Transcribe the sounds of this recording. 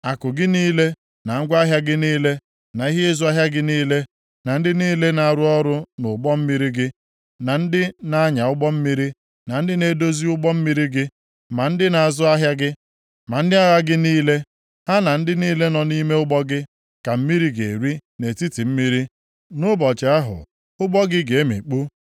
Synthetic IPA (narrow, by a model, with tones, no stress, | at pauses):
a˨kʊ˨ɡɪ˦niː˦le˦ | na˨ŋ̩˦ɡʷa˦ɦja˦ɡɪ˦niː˦le˦ | na˨i˦ɦɪ˦ɪ˦zʊ˦a˦ɦja˦ɡɪ˦niː˦le˦ | na˨n̩˦dɪ˦niː˦le˦na˨ɾʊ˦ɔ˦ɾʊ˦nʊ˨ɡ͡bɔ˦m̩˦mi˦ɾi˦ɡɪ˦ | na˨n̩˦dɪ˦na˦ɲa˨ʊ˦ɡ͡bɔ˦m̩˦mi˦ɾi˦ | na˨n̩˦dɪ˦ne˦do˦zi˦ʊ˦ɡ͡bɔ˦m̩˦mi˦ɾi˦ɡɪ˦ | ma˨n̩˦dɪ˦na˨a˨zʊ˦a˦ɦja˦ɡɪ˦ | ma˨n̩˦dɪ˦a˦ɣa˦ɡɪ˦niː˦le˦ | ha˦na˨n̩˦dɪ˦niː˦le˦nɔ˨ni˦me˦ʊ˦ɡ͡bɔ˦ɡɪ˦ | ka˨m̩˦mi˦ɾi˦ɡe˨ɾi˦ne˨ti˦ti˨m̩˦mi˦ɾi˦ | nʊ˦bɔ˨t͡ʃe˨a˦ɦʊ̰˨ | ʊ˦ɡ͡bɔ˦ɡɪ˦ɡe˨e˦mḭ˨k͡pu˦